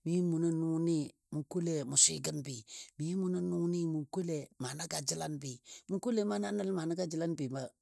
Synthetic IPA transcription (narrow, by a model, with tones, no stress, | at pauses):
mi˦mu˨na˦nu˦ni˦ | mu˨ko˦le˨mu˨sḭ˦ɡə˦nbi˨mi˦mu˨na˦nu˦ni˦mu˨ko˦le˨ma˨na˦ɡa˨d͡ʒi˦la˦nbi˨mu˦ko˦le˦˨ma˦na˦nə˦lma˨na˦ɡa˦d͡ʒi˨la˦nbi˨ma˦